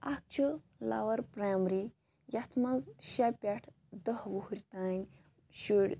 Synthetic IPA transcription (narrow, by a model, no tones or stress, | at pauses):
ak̚t͡ʃʰə | la̰ʋɐɾpɾamɾi | jat̪ʰmazɕapʲaʈʰ | d̪əhʋuhɾʲt̪anʲ | ɕuɽʲ